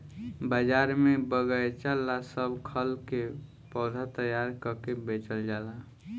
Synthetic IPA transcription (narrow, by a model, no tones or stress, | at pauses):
bəd͡ʒaɾmẽbəɡəjt͡ʃalːasəbʱkʰəlke | pɔd̪ʱat̪əjaɾkəkebet͡ʃəld͡ʒala